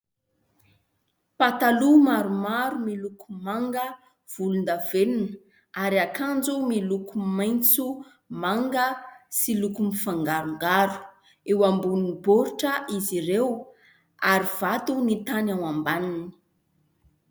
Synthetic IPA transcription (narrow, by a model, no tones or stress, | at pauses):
pat̪alumaɾumaɾumilukumaŋɡə | v̥ulund̪av̥enin | aɾiakand͡zumilukumajnt͡su | maŋɡəsilukumifaŋɡaɾuŋɡaɾu̥ | ewambuniboɾuʈ͡ʂəʔiziɾew | aɾiv̥at̪unit̪anawambanini̥